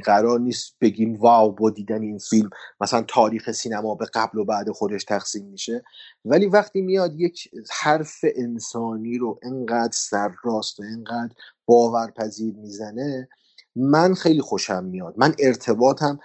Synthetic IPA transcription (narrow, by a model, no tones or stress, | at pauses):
ɡæɾɒːɾniːst̪̚b̥e̞ɡiːmvæːwbɒːd̪iːd̪æneiːnfilmmæsælænt̪ʰɒːɾiːxesiːnæmɒːbe̞ɡæblo̞bæːd̪e̞xo̞d̪e̞ʃt̪ʰæxsiːmːiʃe̞væliːvæχt̪iːmijɒːd̪je̞cʰhæɾfe̞ʔensɒːniːɾoʔeŋɢæːd̪ɾsæɾːɒːst̪væenɢæːd̪ɾ | b̥ɒːvæɾpʰæziːɾmiːzæne̞ | mænxe̞jliːxo̞ʃæmːijɒːd̪̥̚mæne̞ɾt̪ʰe̞bɒːt̪ʰæm